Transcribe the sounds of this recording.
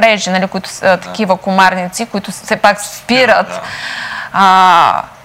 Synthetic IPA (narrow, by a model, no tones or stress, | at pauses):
ɾɛʒinalikʊit̪ʊ̥st̪ɐ̥k̟ʲivəkʊmaɾnit̪sikʊit̪ʊsɛpakspiɾət̪